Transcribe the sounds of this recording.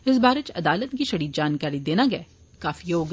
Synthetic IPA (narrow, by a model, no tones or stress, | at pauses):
ɪs̬baːɾet͡ʃɐd̪aːlət̪kiʃɐɽiːd̪̚d͡ʒaːnkaːɾid̪eːnaɡɐɛː | kaːfijoːɡ